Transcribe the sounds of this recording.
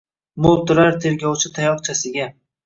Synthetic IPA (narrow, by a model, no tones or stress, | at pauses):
mʊlˠt̪ʊɾaɾt̪ʰe̞ɾɡʲɒwt͡ʃʰɪt̪ʰajɒqt͡ʃʰasɪɡʲa